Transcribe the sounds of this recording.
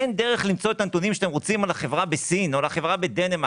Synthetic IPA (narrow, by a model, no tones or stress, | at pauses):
end̪e̞ʁeχlimt͡so̞et̪ant̪unimʃat̪emʁot͡simalaχevʁabesinolaχevʁabe̞d̪enema